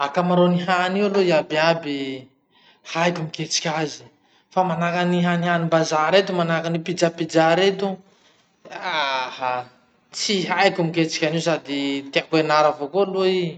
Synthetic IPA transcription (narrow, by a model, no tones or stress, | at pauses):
akamaɾoniɦanialoiabiabi | hajkumiket͡si̥kʲazi̥ | famanakaniɦaniɦanimbazaɾet̪umanakanipid͡zapid͡zaɾet̪u | aha | t͡siɦajkumiket͡si̥kʲanis̬ad̪it̪eakwenaɾavokoloi